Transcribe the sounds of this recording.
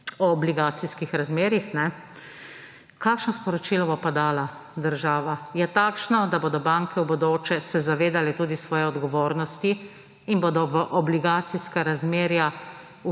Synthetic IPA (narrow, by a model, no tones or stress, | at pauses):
ɔːbliɡaːt̪siskixɾazmeːɾjixnɛ | kaːkʃnɔspɔɾɔt͡ʃilɔbopad̪aːlad̪əɾʒaːʋajɛt̪aːkʃnɔd̪aboːd̪ɔbaːŋkɛwbɔd̪oːt͡ʃɛsɛzaʋeːd̪alɛt̪uːd̪isʋɔːjɛɔd̪ɡɔʋoːɾnɔst̪i | inboːd̪ɔʋəʔɔbliɡaːt̪siskaɾazmeːɾja | u